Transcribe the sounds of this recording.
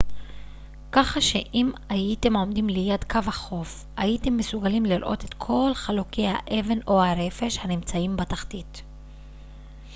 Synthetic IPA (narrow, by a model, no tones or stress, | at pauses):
kaχaʃe̞ʔimajite̞mo̞mdimlejadkavhaχo̞f | ajite̞mːesuɡalimliɾʔo̞̰te̞t̪kʰo̞lχalukejha̰ʔe̞ve̞no̞haɾe̞fe̞ʃhanimt͡saimbataχtit